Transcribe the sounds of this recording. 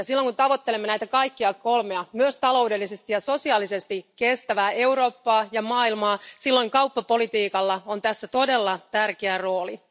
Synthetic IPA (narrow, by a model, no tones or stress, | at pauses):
jɑsilːoŋkunt̪ɑʋo̞t̪ːelemːenæjt̪ækɑikːiɑko̞lmeɑmyøst̪ɑlo̞wdelːisest̪ijɑso̞siɑːlise̞st̪ikest̪æʋæːeuro̞ːpːɑːjɑmɑːilmɑːsilːoiŋkɑupːɑpo̞lit̪iːkɑlːɑont̪æsːæt̪o̞de̞lːɑt̪ærkeæro̞ːli